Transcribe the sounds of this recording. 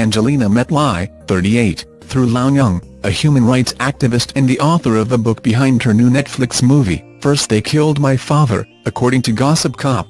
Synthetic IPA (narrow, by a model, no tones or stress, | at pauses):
æ̃nd͡ʒəlĩnɨmɛtˡlaɪθɜ˞ɾieɪt̪̚ | θɹulãʊ̃njʌ̃ŋ | ɨhjʉmɨ̃nɹaɪtsæk̚tɨvɨstɨ̃nðiʔɔθə˞ʌvðəbʊk̚b̥ɨɦãɪ̃nd̚ə˞nʉnɛtflɨksmuvḭ | fɜ˞st̚ðeɪkʰɪlˠd̚maɪfɑðə̰˞ | ɨkʰɔɹɾɪ̃ŋtʰɨɡɑsɨp̚kʰɑp̚